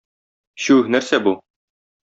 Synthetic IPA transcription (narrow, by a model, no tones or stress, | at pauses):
ɕʉnæɾsæbu